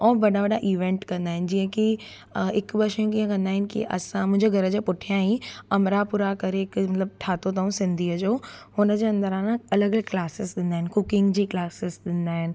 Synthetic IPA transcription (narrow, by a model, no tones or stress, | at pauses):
ɔːbɐɗaʋɐɗaʔiːʋẽːɳʈkɐ̃nd̪aːɦɪnɪ̆d͡ʑiːə̃ki | ɪkbɐʃjũkiːə̃kɐ̃nd̪aːɦɪnɪ̆kḭʔɐ̰sãmʊ̃ɦɪ̃ɲd͡ʑeɡʱɐɾəd͡ʑepʊʈʰijãɦĩɐmɾapuːɾakɐɾeɪkmɐt̪ləb̚ʈʰaːt̪ot̪̬ɐũsɪ̃nd̪ʱiːəd͡ʑoːhʊnəd͡ʑeɐ̃nd̪əɾãnɐləɡəlklaːsɪsɗ̪ɪ̃nd̪aːɦɪnɪ̆kʊkɪ̃ŋɡd͡ʑiːklaːsɪsɗ̪ɪ̃nd̪aːɦɪnɪ̆